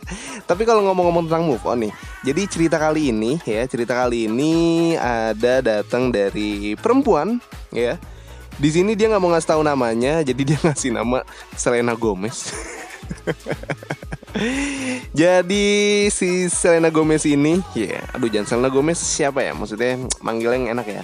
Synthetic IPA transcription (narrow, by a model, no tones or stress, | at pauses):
t̪ap̬ikaloŋomɔŋɔmɔŋt̪ənaŋmʊfɔ̰nɪh | d͡ʒadit͡ʃəɾit̪akaliːnijat͡ʃəɾit̪akaliːnia̰dadat̪əŋdaɾipəɾəmpuanja | dis̬inidiaŋaʔmoŋasi̥t̪aunamaɲad͡ʒadidiaŋasina̰ma | səlenaɡomɛs | d͡ʒadisisəlenaɡomɛsinija̰a̰dud͡ʒansəlenaɡomɛsːiapaja̰ma̰ksut̪ɲamʔa̰ŋɡilɛŋenakja̰